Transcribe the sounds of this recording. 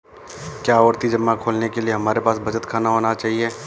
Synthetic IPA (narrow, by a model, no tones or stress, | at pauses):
kjaːɔːɾt̪id͡ʒɐmːakʰoːlnekelieɦɐmaːɾepaːsbɐt͡ʃət̪kʰaːnaɦoːnat͡ʃaːɦieː